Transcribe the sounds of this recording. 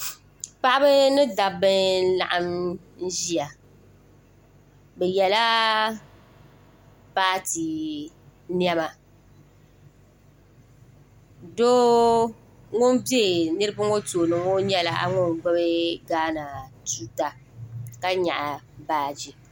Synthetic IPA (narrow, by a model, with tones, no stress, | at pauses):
pa˦ʔa˦bɨ˦nɨ˦da˨bɨ˦la̰˨ʔa˦m | n̩˦ʒi˦a˨ | bɛ˨jɛ˨la˦ | paː˦ti˨ | n˦ɛ˦ma˨ | do˦ | ŋo˦nbe˦˨nɨ˦ɾɨ˦bɨ˦ŋo˦toː˨nɨ˨ŋo˦ɲɛ˦la˦ʔa̰˦ŋo˦nɡ͡bɛ˦bɨ˦ɡaː˦na˨tu˦ta˨ | ka˦ɲa˨ʔa˨baː˦d͡ʒi˨